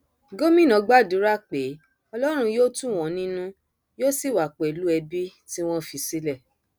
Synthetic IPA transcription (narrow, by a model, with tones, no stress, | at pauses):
ɡo˦mĩ˦˨nɔ̃˨˦ɡ͡ba˦˨du˨˦ɾa˦˨k͡pe˨˦ | ɔ˧lɔ˦ɾ̃ũ˧joː˦tũ˦˨w̃ɔ̃˨˦nĩ˦nũ˦ | joː˦si˦˨wa˨k͡pɛ˨lu˦ɛ˧bi˦ti˦w̃ɔ̃˦˨fi˨˧si˦lɛ˦˨